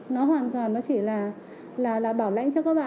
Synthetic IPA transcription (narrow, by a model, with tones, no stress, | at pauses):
nɔ˨˦ɦwaː˨˩nt̪waː˨˩nnɔ˨˦t͡ɕi˧˩laː˨˩ | laː˨˩laː˨˩ɓaː˧˩wla̰˧˨jŋt͡ɕɔ˧kaː˦˥k̚ɓa̰ː˧˨